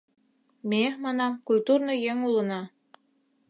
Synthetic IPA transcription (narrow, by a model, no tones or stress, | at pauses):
mʲemɑnɑkulʲt̪uɾnɤjeŋulˠɤ̆nɑ